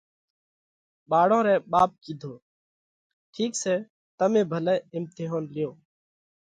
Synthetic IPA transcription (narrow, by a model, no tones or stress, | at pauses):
ɓaːɽõːɾeːɓaːp̚kiːd̪ʱoː | ʈʰiːkseː | t̪əmẽːbʱəleːɪmt̪ɪɦoːnlɪjoː